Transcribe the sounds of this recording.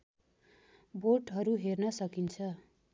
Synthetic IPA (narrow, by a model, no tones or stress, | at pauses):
boʈɦʌɾuɦernʌsʌkint͡sʰʌ